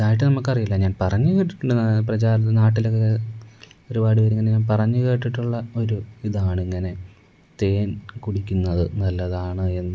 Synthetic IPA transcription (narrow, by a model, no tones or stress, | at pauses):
iðaːjiʈ̬ːɨnɐmukːɐrijulːɐɲaːnpɐrɐɲːukeːʈːiʈːuɳɖɨprɐt͡ɕaːɾɐt̪ːnaːʈːilo̞kːe | o̞ɾubaːɽɨʋɐɾeŋːɐneɲaːnpɐrɐɲːuke̞ːʈːiʈːuɭːɐo̞ɾuiðaːɳeŋːɐne̞ | t̪e̞ːnkuɽikʲːunːɐðɨnɐlːɐðaːɳɨe̞nːɨ